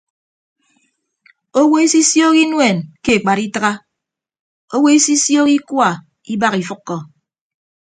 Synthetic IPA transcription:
o˦wo˦e˦si˦sjo˦ki˦nwe˨nke˦˨k͡pa˨ɾi˦tɨ˦ɣa˦ | o˦wo˦e˦si˦sjo˦ki˦kwa˦˨ | i˦ba˦ɣi˨fɨ˦kːɔ˨

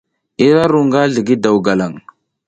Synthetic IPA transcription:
i˦ɾa˦ɾu˨ŋɡa˦ɮə˨ɡi˦da˨wɡa˨la˨ŋ

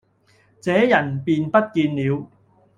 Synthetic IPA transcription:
t͡sɛː˨˥jɐ˨˩npiː˨˧npɐ˥t̚kiː˧nliː˨˧w

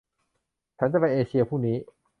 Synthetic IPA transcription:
t͡ɕʰa˦˥nt͡ɕa˧˩pa˧˩ʔeː˧t͡ɕi˧ɐpʰuː˥˩niː˦˥

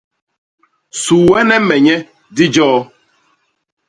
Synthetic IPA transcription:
su˨wɛ˦nɛ˦mɛ˨ɲɛ˦ | di˦d͡ʒɔː˦

